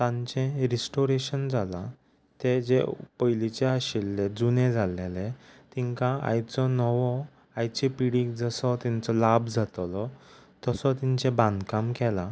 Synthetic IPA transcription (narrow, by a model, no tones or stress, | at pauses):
t̪ãɲt͡ɕɛ̃ɾisʈoɾeɕənd͡zʱala | t̪ed͡ʑḛpəjlit͡ɕeaɕilːɛd͡zunẽd͡zʱalelɛ̃t̪iŋkãa̰jt͡sɔnɔʋɔ | ajt͡ɕepiɽikd͡zəsɔt̪ɛ̃nt͡sɔlabd͡zʱat̪lɔt̪ɔsɔt̪iɲt͡ɕɛ̃bãnd̪kamkɛla